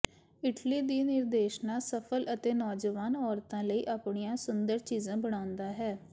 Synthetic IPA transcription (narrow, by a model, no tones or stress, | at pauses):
ɪʈliːd̪iːnɪɾd̪eːʃnaːsəpʰələt̪eːnɔːd͡ʒəʋaːnɔːɾt̪ãːləiːʔaːpɳiːãːsʊnd̪əɾt͡ʃiːzãːbəɽ̃aːʊ̃nd̪aːɦɛː